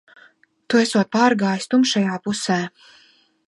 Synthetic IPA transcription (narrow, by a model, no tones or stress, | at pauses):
t̪uesuɔt̪̚paːɾɡaːjsʲt̪umʃajaːpusæː